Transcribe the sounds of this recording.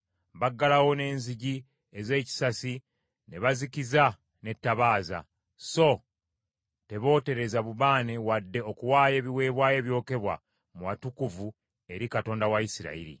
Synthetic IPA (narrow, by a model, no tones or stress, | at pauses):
βaɡːalawo̞ne̞ːnziɟi | eze̞ːci̥sasi | ne̞βazikiza | ne̞tːaβaːza̰ | so̞ | te̞βo̞ːte̞ɾe̞zaβuβaːne̞wadːe̞o̞kuwaːje̞ːβiwe̞ːβwaːje̞ːβjo̞ːke̞βwa̰ | muwatukuvu | e̞ɾikato̞ːndawaisiɾa̰ḭɾḭ